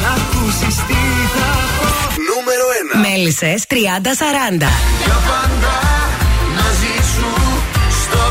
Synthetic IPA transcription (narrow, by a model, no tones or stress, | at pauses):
ɐfkusist̪iɾit̪ɐ | numeɾoenɐmelisest̪ɾiɐnd̪ɐsɐɾɐnd̪ɐ̰ʝɐpɐnd̪ɐ | nɐzisust̪o